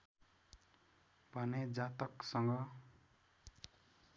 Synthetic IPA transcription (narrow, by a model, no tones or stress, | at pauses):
bʱʌned͡zat̪ʌksʌŋɡʌ